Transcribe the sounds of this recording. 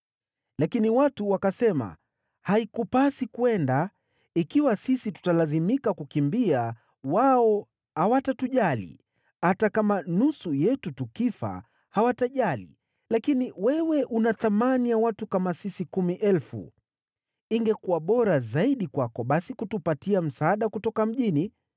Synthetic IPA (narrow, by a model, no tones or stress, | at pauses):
lakiniwatuwakasɛma̰ | haikupasikuɛnda | ikiwasisitu̥talazimikakukimbia | waɔ | hawatatuʄalḭ | atakamanusujɛtutukifa̰ | hawataʄalḭ | lakiniwɛwɛʔunaθamanijawatukamasisikumiʔɛlfṵ | iŋɡɛkuwaɓɔɾazaiɗikwakɔɓasikutupatiam̩saaːɗakutɔkam̩ʄini